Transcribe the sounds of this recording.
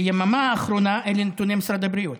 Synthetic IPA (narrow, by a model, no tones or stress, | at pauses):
jemamaːχɾonaʔelenet̪unemsɾad̪abɾiut̪